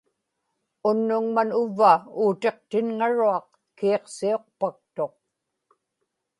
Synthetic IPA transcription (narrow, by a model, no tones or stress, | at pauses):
ʊnːʊŋmanʊvːauːt̪e̞qt̪ɪnŋaɻuɑq | kiːqsio̞q̚pak̚t̪o̞q̚